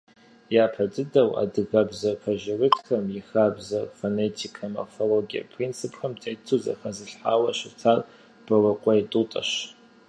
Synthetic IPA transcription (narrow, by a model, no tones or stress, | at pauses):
jaːpʰɐdʰʼɨdɐwa̰dɨɣɐbzɐrkʰɐʒɪrɨtʰxɐmjixaːbzɐrfonetʰikʰɐmɐ̰foloɡiɐ̰pʰrint͡sʰɨpxɐmtʰʼetʰuzɐ̰xɐzɨɬħaːwɐɕɪtʰaːr | b̥ɐrɐqʷʼɔitʼutʼɐ̰ɕ